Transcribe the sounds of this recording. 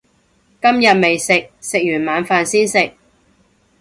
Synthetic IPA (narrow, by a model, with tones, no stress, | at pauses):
kɐ˥mjɐ˨t̚me˨jsɪ˨k̚sɪ˨k̚jyː˨˩nmaː˨˧nfaː˨˧nsiː˥nsɪ˨k̚